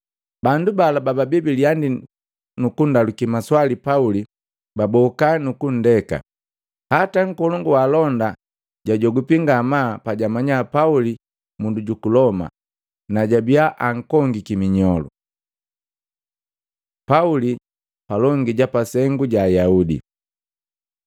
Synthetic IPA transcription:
bandubalabababibiliandi | nukundalukimaswalipauli | babɔkanukun̩dɛka̰ | hataŋ̩kɔlɔŋɡuwalɔnda | ɟaɟɔɡupiŋɡamapaɟamaɲapauli | munduɟukulɔma̰ | naɟabiaʔaŋ̩kɔŋɡikimiɲɔlṵ | pauli | palɔŋɡiɟapasɛŋɡuɟaːjaudḭ

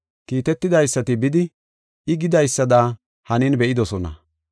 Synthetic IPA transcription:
kiːt̪ɛt̪ːɪd̪ɐjsːɐt̪ɪbɪd̪ɪ | ɪɡɪd̪ɐjsːɐd̪a | hɐnɪnbɛʔɪd̪ɔsɔnɐ̰

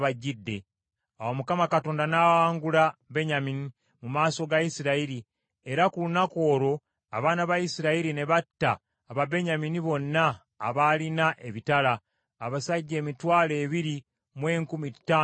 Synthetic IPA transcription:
βaɟːidːe̞ | awomukamakato̞ːndanawaːŋɡulabe̞ɲamini | mumaːso̞ɡaisiɾaiɾi | e̞ɾakulunako̞ːɾo̞ | a̰βaːnaβaisiɾaiɾine̞βatːaː | βabe̞ɲaminiβo̞nːaː | βalinaʔe̞βitalaː | βasaɟːe̞ːmitwaːle̞ːβiɾi | mwe̞ːŋkumitːaː

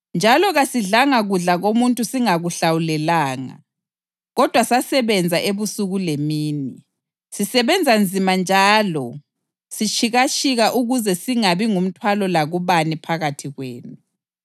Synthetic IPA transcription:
nd͡ʒʱalɔɣasiɮaŋaɣuɮaɣomuntʼusiŋaɣuɬawulɛlaːŋa̰ | ɣɔd̥ʱwasasɛβɛnd͡zʱaʔeβusuɣulemiːni | sisɛβɛnd͡zʱand͡zʱimand͡ʒʱaːlɔ | sit͡ʃʰʼiɣat͡ʃʼʰiɣaʔuɣuzɛsiŋaβiŋum̩tʰwalɔlaɣuβanipʰaɣatʰiɣweːnu

